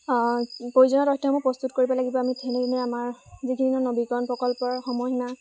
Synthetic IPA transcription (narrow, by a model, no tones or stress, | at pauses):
pojzɔnɔtɔktʰɔmɔpɹɔst̪utkoɹibɔlaɡibɔamitʰɛneɡinɛamaɹzikʰininɔnobikɔnpɹɔkɔlpɔɹxɔmɔɦna